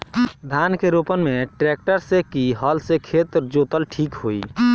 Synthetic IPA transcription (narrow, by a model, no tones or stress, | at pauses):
d̪ʱankeɾopənmeʈɾɛk̚ʈəɾsekiɦəlsekʰet̪ɾd͡ʒot̪əlʈʰiːkɦoi